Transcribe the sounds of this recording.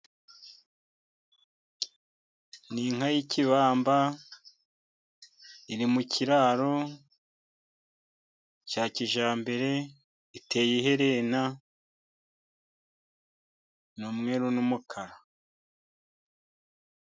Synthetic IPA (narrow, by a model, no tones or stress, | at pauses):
niːŋ̥hajiciβaːmba | iɾimuciɾaːɾo | caːciʒaːmbe̞ɾe̞ | ite̞ːjiɦe̞ɾena | numŋe̞ɾunumukʰaɾa